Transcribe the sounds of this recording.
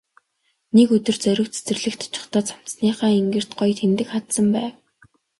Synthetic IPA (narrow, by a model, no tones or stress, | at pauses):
nekɵt̪ɵ̆rt͡sœɾʲɪ̆kt͡sʰe̥t͡sɘ̆rɮɘ̆kt̪ʰʊ̥t͡ɕɪ̆χt̪ɔːt͡sam̥t͡s̪sniːχaːiŋɡɘ̆r̥t̪ɢɔjt̪ʰemt̪ɘ̆kχat̪sə̆mpæːw